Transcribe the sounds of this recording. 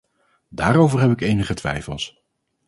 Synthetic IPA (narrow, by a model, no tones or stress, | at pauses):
daːɾowvərɦɛpɪkejnəχətʋɛ̰jfəlˠs